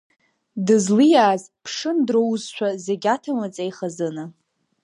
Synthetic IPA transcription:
dɨzlɨjaːzpʰʂɨndrowzʃʷᶣazeɡʲatʰamat͡sʼejχazɨnɨ

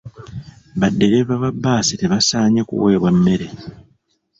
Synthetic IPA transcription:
βadːe̞ɾeβaβabːaːsiteβasaːɲekṵwe̞ːβwamːe̞ɾe

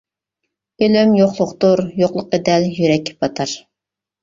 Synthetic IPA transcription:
ylymjoχlˠʊqt̪uɾjoχlˠʊqːed̪ɛljyɾɛkʲʰːpʰɑt̪ʰɑɾ

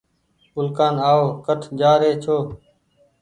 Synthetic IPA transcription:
ʊlkaːnaːoːkəʈʰd͡ʒaːɾeːt͡ʃʰoː

